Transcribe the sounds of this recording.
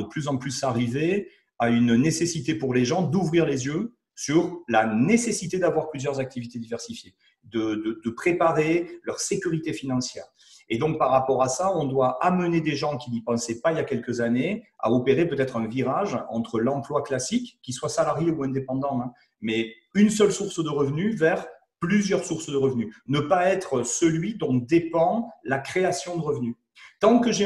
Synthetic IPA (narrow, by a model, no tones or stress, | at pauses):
d̪əplyzɑ̃plysaʁive | aynnesesit̪epuʁleʒɑ̃d̪uvʁiʁlezjø | syʁlanesesit̪ed̪avwaʁplyzjœʁzak̚t̪ivit̪ed̪ivɛʁsifje | d̪əd̪əd̪əpχepaʁelœʁsekʲyʁit̪efinɑ̃sjɛ̰ːʁ | ed̪ɔ̃k̚paʁːapɔʁasaɔ̃d̪waʔaməned̪eʒɑ̃kʲinipɑ̃sɛpailjakʲɛlkəzanea̰ɔpeʁepøt̪ɛt̪χɛ̃viʁaʒɑ̰̃t̪χəlɑ̃plwaklasikːiswasalaʁjeuɛ̃d̪epɑ̃d̪ɑ̃ɛ̃ | mɛ | ynsœlsuʁsd̪əʁəvənyvɛʁ | plyzjœʁsuʁsd̪əʁəvnynəpaɛt̪χəsəlɥid̪ɔ̃d̪epɑ̃lakχeasjɔ̃d̪əʁəvny | t̪ɑ̃kəʒe